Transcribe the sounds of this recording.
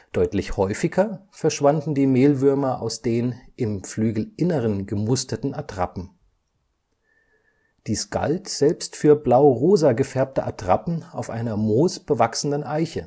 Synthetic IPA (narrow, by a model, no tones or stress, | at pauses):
d̥ɔʏtlɪçhɔʏfɪɡɐfɛɐʃv̥andn̩diːmeːlvʏɐmɐʔa̰ʊsd̥eːnʔɪmflyːɡl̩ʔɪnəʁənɡəmʊstɐtn̩atʁ̥a̰pm̩ | d̥iːsɡ̥a̰ltz̥ɛlpstfyːɐblaʊʁoːzaɡəfɛɐp̚təʔatʁ̥a̰pn̩aʊfʔa̰ɪnɐmoːsb̥əvaksn̩dənʔaɪçə